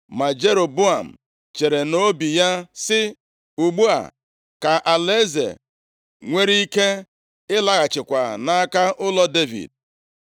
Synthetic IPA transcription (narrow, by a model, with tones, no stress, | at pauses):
ma˨d͡ʒe˦ɾo˨bʊ˦a˨m̩˨ | t͡ʃe˨ɾe˨no˦bi˨ja˦sɪ˦ | u˨ɡ͡bu˦a̰˨ | ka˨ʔa˨le˦zḛ˨ | ŋʷe˦ɾi˦i˦ke˦ | ɪ˦la˦ɣa˨t͡ʃɪ˨kʷa˨na˦ka˦ʔʊ˦lɔ˦de˦vḭ˨d̚